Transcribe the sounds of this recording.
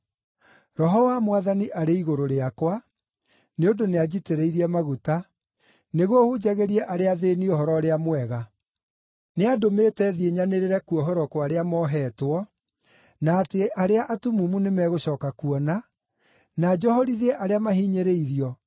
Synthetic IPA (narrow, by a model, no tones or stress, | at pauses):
ɾɔɦɔwamwaðaniʔaɾeiɣoɾoɾeakwa | neondonead͡ʑiteɾeiɾiɛmaɣuta | neɣwohud͡ʑaɣeɾiɛʔaɾeaðeniohɔɾɔɾeamwɛɣa | neadometɛðieɲaneɾeɾɛkuɔɦɔɾɔkwaɾeamɔɦɛːtwɔ | naːteʔaɾeaʔatumumunemɛɣoɕɔːkakuɔna | nad͡ʒɔhɔɾiðɛʔaɾeamahiːɲeɾeiɾiɔ